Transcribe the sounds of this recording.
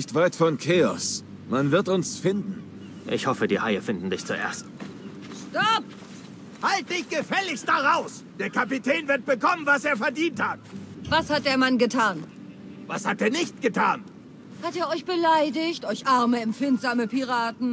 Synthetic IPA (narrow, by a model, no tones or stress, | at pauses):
ɪçtv̥aɪtfɔnkʰeːɔs | manvɪɐtʊnsfɪndn̩ | ʔɪ̰çhɔfədiːhaɪɐfɪndn̩dɪçt͡suʔḛːɐst | ʃtɔp̚ | halt̚d̥ɪçɡ̥əfɛlɪçstd̥aʁaʊs | d̥eːɐkʰapitʰɛːnvɪɐt̚b̥əkʰɔmənvaseːɐfɛɐdiːnthat̚vashat̚d̥eːɐmanɡətʰaːn | vashat̚d̥eːɐnɪçt̚ɡ̥ətʰaːn | hateːɐɔʏçb̥əlaɪdɪçtʔɔʏçʔaɐməɛmfɪntz̥aːməpiʁ̞aːtn̩